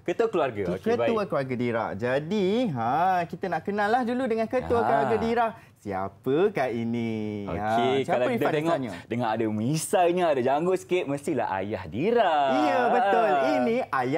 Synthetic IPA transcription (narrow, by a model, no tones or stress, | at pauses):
kət̪uakəluarɡaokkətbauakəluarɡadiɾa̰ʔd͡ʒadiɦãkit̪anaʔkənãlːahduludəŋãnkət̪uakəluaɾɡadiɾaʔ | sia̰pəkaʔinio̰kekaalait̪ad̪eŋɔɲadəŋãnadamisaɲaadad͡ʒaŋɡʊʔsə̥kɪʔ̚məst̪ila̰ha̰jahdiɾaijəbəʊlinĩʔaja